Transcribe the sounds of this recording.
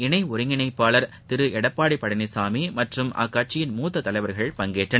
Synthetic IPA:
ɪɳɐɪʊɾɯŋɡɪnɐɪpːaːlɐɾ | t̪ɪɾɯɛɽɐpːaːɽɪpːɐɽɐnisaːmimɐʈrɯmʔa̰ːkːaːʈ̚t͡ʃːɪjɪnmuːt̪ːɐt̪ːɐlɐɪʋɐɾɣɐɭpɐŋɡeːʈrɐn

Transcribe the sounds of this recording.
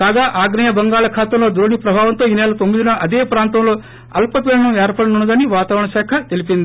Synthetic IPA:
kaːɡaːʔaːɡnɐjɐbɐŋɡaːɭɐkʰaːt̪ɐmlo̞ːd̪uɾɐɳipɾɐbʱaːʋɐnt̪oːiːnɛːlɐt̪omːid̪inɐʔɐd̪eːpɾaːnt̪ɐmlo̞ː | ɐlpɐpiːɾɐɳɐmɛːɾpɐɽɐnuɳɐd̪ɐniʋaːt̪aːʋɾɐɳɐʃaːkʰɐt̪e̞lipind̪ii

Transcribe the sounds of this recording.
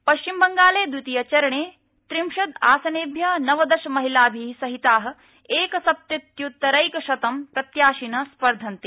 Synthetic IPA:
pɐʃt͡ʃimbɐŋɡaːleːd̪wit̪ijɐt͡ʃɐɾɐɳeː | t̪ɾimʃɐd̪a̰ːsɐneːbʱjɐnɐʋɐd̪ɐʃɐmɐɦilaːbʱisɐɦit̪aːɦɐ̆ | eːkɐsɐp̚t̪ɐt̪jut̪ɐɾɐjkɐʃɐt̪ɐmpɾɐt̪jaːʃinɐspɐɾd̪ʱɐnt̪e

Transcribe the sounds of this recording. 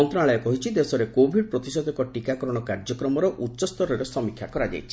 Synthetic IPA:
ɔnt̪ɔaɭɔjɔkɔɦit͡ʃʰid̪esɔɾekobʱiɖpɾɔt̪isɔd̪ɔkɔʈikakɔɾɔɽ̃ɔkaɾd͡ʒɔkɾɔmɔɾɔʔutːʃɔst̪ɔɾɔɾesɔmikʰja̰kɔɾad͡ʒa̰jt͡ʃʰi

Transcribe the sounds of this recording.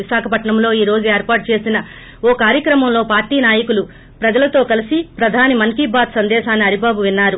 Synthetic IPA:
iʃaːkʰɐpɐʈɳɐmlo̞ːiːɾo̞ːd͡ʒueːɾpaːʈ̚t͡ʃe̞ːsinɐ | oːkaːɾjɐkɾɐmɐmlo̞ːpaːɾʈiːnaːjɐkulu | pɾɐd͡ʒɐlɐt̪o̞ːkɐlisipɾɐd̪ʱaːnimɐŋkibaːd̪sɐnd̪ɛːʃaːnːiɐɾibaːbuʋinːaːɾu

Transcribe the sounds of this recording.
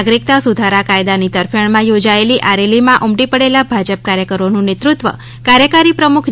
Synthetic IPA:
ɡɾik̚t̪asud̪ʱaɾakajd̪anit̪əɾfjəɳmãjod͡ʒaeliʔaɾelimãʔumʈipəɽelabʱad͡ʒəp̚kaɾjəkəɾonũnet̪ɾʊt̪ʋə̰ | kaɾjəkaɾipɾəmukʰ

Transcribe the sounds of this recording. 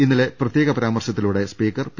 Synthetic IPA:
inːile̞prɐt̪jeːɣɐpɐɾaːmɐrɕɐt̪ːiluɽe̞spiːkːɐrp

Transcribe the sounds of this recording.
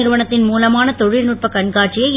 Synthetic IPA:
ɪɾɯʋɐɳɐt̪ːɪnmuːlɐmaːnɐt̪ɔɻɪlnuːʈ̚pɐkɐɳkaːʈt͡ʃɪjɐɪ

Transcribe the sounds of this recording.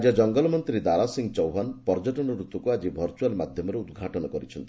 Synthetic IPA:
d͡ʒɔd͡ʒɔŋɡɔlɔmɔnt̪ɾid̪aɾasiŋɡt͡ʃɔwɦanpɔɾd͡ʒɔʈɔnɔɾut̪ɔkuad͡ʒibʱɔɾt͡ʃualmad̪ʱjɔmɔɾeud̪ɡʱaʈɔnɔkɔɾit͡ʃʰɔnt̪i

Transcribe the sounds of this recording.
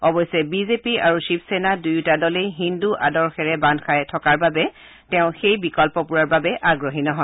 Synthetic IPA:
ɔbɔjsɛbizepia̰ɹuʃipsɛnadujutadɔlejɦinduʔadɔɹxɛɹɛbandkʰajtʰɔkaɹbabɛ | tɛʊ̃xejbikɔlpɔpuɹaɹbabɛʔaɡɹɔɦinɔɦɔ

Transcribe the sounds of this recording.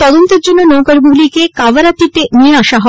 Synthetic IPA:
t̪ɔd̪ont̪eɾd͡ʑonːonowkaɾbuɡlikekabaɾat̪it̪enieaʃaɦɔ

